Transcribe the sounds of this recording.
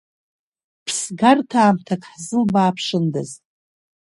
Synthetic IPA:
pʰsɡartʰaːmtʰakʰʼħzɨlbaːpʰʂɨndɨz

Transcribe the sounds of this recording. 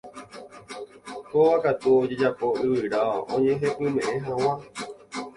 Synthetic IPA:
koʋakat̪uod͡ʒe̞d͡ʒapo̞ɨʋɨɾaõ̰ɲẽɦẽʔɨ̃mẽ̞ʔẽɦãw̃ã

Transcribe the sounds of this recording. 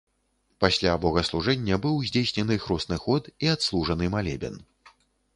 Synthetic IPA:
pasʲlʲabɔɣɐslˠuʐɛnʲːɐbɨwzʲd͡zʲejsʲnʲɛnɨxɾɔsnɨxɔt̪iat̪slˠuʐɐnɨmalʲɛ̰bʲɛ̰n

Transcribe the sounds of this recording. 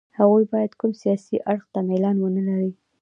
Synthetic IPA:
haɣujbɑjad̪kumsijɑsiʔaɽxt̪amelɑnwənəlaɾi

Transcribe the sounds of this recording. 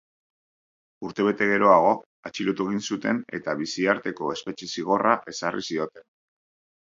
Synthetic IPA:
uɾt̪e̞β̞e̞t̪e̞ɣe̞ɾo̞aɣ̞o̞ | at͡ʃilot̪ue̞ɣ̞insut̪e̞ne̞̰t̪aβisiaɾt̪e̞ko̞e̞spe̞t͡ʃe̞siɣ̞o̞raʔe̞sarʔḭsio̞t̪e̞n

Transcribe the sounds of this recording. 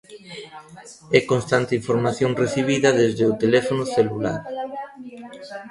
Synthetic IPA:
ɛkonst̪ant̪eiɱfoɾmaθjoŋreθiβ̞iðɐðezðeot̪elɛfonʊθelula̰ɾ

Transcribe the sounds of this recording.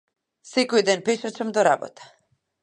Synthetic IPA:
sɛkɔjd̪ɛnpɛʃat͡ʃamd̪ɔɾabɔ̰t̪ḁ

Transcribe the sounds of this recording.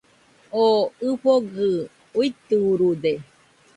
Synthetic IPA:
oɨɸoɡɨ | uit̪uɾud̪e

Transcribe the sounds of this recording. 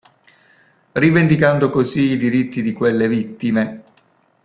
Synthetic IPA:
rivend̪ikand̪okoziːd̪iɾit̪ːid̪ikwelːevit̪ːime

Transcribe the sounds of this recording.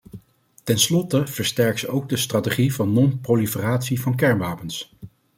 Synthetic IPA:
tɛnslɔtəv̥əɹstɛɹksowɡ̚dəstrateχivɑnːɔnprowlifəraːtsivɑnk̬ɛɹnʋaːpəns

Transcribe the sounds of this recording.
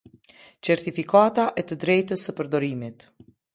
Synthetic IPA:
t͡ʃɛɾt̪ifikat̪aʔɛt̪əd̪ɾɛjt̪əsəpəɾd̪ɔɾimit̪

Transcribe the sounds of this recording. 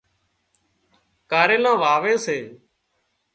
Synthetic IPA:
kaːɾeːnãːʋaːʋeːseː

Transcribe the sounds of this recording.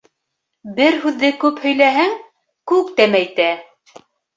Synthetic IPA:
bɘɾhʉðːɘkʉphɵ̆jlæɦɘŋ | kʉk̚t̪æmæjt̪æ

